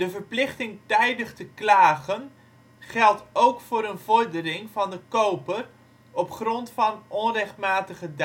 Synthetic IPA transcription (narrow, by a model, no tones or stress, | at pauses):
d̥əvəɹplɪχtɪŋtɛjdəχtəklaːχən | χɛlˠtowkfʊːɾənvɔɹdərɪŋvɑndəkowpər | ɔpχrɔntfɑnɔnrɛχtmaːtəχəd